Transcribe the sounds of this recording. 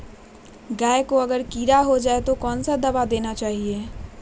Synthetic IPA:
ɡaːekoɐɡəɾkiːɾaɦod͡ʒaːet̪okɔːnsad̪ɐbad̪eːnat͡ʃaːɦieː

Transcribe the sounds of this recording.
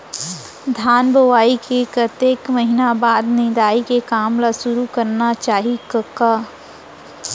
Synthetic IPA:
d̪ʱaːnboʋaːikekət̪eːkməɦinabaːd̪nɪ̃d̪aːikekaːmlasʊɾukɐɾnat͡ʃaːɦikɐkːaː

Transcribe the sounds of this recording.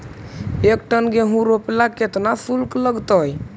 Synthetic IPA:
ekʈənɡeɦũɾoplaket̪nasulkləɡt̪ɔj

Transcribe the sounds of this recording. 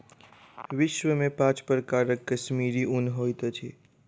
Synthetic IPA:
ʋɪʃʋəmẽpãt͡ʃpɾəkaɾəkːəʃmiɾiʊnɦojt̪ət͡ʃʰi

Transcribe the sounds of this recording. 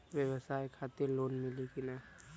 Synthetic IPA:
ʋjəwəsaːjkʰaːt̪eɾloːnmɪlikina

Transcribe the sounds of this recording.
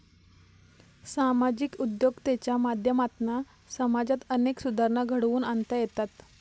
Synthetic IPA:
samad͡ʑikud̪joɡt̪et͡ɕjamad̪ʱjəmat̪na | səmad͡ʑat̪əneksud̪ʱaɾnaɡʱəɽʋuːnant̪əjet̪at̪

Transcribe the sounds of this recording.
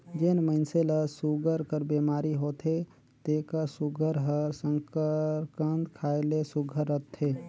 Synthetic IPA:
d͡ʒenməɪnseləsuɡʱəɾkəɾbemaːɾiɦot̪ʰe | t̪ekəsuɡʱəɾɦəɾsə̃ŋkəɾkənt̪kʰaːelesuɡʱəɾːət̪ʰːe

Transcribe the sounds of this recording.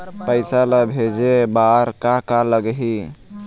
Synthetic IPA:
pəɪsaləbʱed͡ʒebaɾkakaləɡɦi

